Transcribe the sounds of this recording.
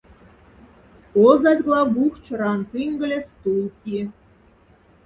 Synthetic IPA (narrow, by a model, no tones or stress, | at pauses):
ozɑzʲɣlˠɑbuxt͡ɕ̆ɾɑnsiŋɡə̆lʲest̪ulˠkʲi